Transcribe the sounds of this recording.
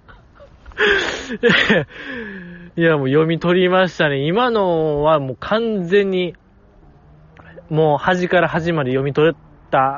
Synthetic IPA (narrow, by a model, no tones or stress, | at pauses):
e | jamoːjo̞mʲit̪o̞ɾʲimaɕi̥t̪ane̞imano̞βamoːkʰãnd͡zẽ̞ɲ̟ːi | moːhaʑikaɾaɦaʑimaɾɯjo̞mʲit̪o̞ɾɯ | t̪a